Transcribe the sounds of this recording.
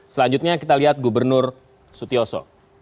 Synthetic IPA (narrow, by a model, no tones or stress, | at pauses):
səlaɲd͡ʒut̪̚ɲakit̪aliɦat̪̚ɡubərnʊr | sut̪iosɔ̰